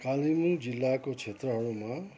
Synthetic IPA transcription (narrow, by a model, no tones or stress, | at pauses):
kalimuŋd͡zilːakot͡sʰet̪rʌɦʌɾuma